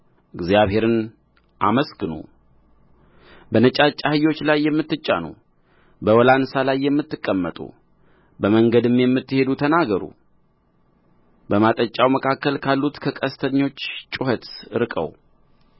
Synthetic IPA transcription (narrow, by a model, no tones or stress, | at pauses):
ʔɨɡzjaβhe̞ɾɨn | ʔaməsɡɨnṵ | bənət͡ʃʼat͡ʃʼːahɨjːo̞t͡ʃːlajːɛmːɨt̪ːɨt͡ʃʼːa̰nṵ | bəwɔlansalajːɛmːɨt̪ːɨkʼːəmːət̪ʼṵ | bəməŋɡəd̪ɨmjɛmːɨt̪ːɨhe̞d̪ut̪ʰənaɡəɾṵ | bəmat̪ʼət͡ʃʼːawməkʰakːəlkʰalːut̪kʰəkʼəst̪ʰəɲːo̞t͡ʃːt͡ʃʼuhət̪ɨɾɨkʼə̰w